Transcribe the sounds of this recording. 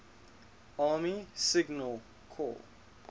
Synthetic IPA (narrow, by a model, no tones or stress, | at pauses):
ɑːmisɪɡnəlˠ | kʰɔ̰l